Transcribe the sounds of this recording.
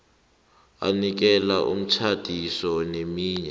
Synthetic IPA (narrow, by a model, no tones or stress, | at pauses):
a̰nik̬ɛlaʔṵm̩t͡ʃʰad̥ʱisɔnemiːɲɛ